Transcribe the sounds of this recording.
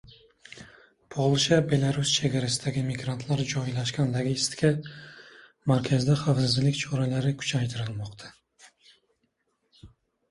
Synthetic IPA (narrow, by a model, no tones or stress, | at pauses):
pʰolˠʃabe̞lˠaɾust͡ʃʰe̞ɡʲaɾasɪd̪aɡʲɪmiɡɾant̪ʰlaɾd͡ʒɒjlaʃkʲand̪aɡʲɪɪst̪kʲʰa | maɾkʲʰazɪd̪aχafsɪzlɪkʲt͡ʃʰɒɾalaɾɪkʰʊ̥t͡ʃʰajt̪ʰɪɾɪlmɒqt̪ʰḁ